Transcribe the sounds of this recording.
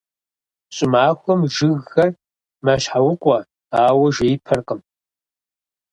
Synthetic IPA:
ɕʼɪmaːxʷɔmʒɨɣːɐr | maɕħawʊqʷʼɔ | aːwɐʒejpʰɐrqəm

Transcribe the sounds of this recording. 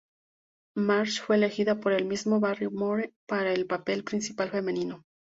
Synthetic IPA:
maɾt͡ʃfweːlexiðapo̞ɾe̞lmizmo̞βarjomoɾepaɾaelpape̞lpɾinsipalfe̞mẽ̞nĩno̞

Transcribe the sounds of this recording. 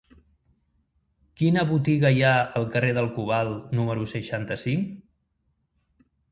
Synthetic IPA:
kinəβut̪iɣəjaəlˠkəreðəlˠkuβ̞alˠnuməɾusəʃant̪əsiŋ

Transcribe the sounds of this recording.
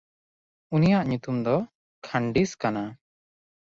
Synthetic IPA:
unijaʔɲut̪umd̪ɔ | kʰaɳɖiskana

